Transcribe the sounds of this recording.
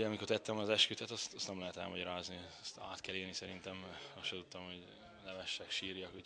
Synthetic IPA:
ɒmikort̪ɛt̪ːɛmɒzɛʃkyt̪ɛt̪ɒst̪ɒst̪ɛmlɛɦɛt̪ɛ̰lmɒɟɒɾaːzni | st̪a̰ːt̪kɛleːlnisɛɾint̪ɛmɒsʃɛt̪ut̪ːɒmho̞ɟ | lɛvɛʃːɛkʃiːrjɒku

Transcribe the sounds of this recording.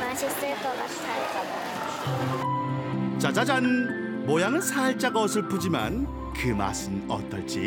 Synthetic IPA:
masistɯɾkʌɡasʰaɭt͡ɕaɡ | t͡ɕad͡ʑad͡ʑanɯn | mʌjaŋɯnsʰaɭt͡ɕ͈aɡʌs̬ʰɯɭp͈ud͡ʑima̰n | kɯma̰sɯmʌ̰t͈ʌ̰ɭt͡ɕ͈ḭ

